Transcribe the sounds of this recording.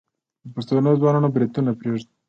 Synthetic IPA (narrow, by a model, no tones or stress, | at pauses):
pəst̪onozwɑnunabɾɪd̪unapɾeʐd̪i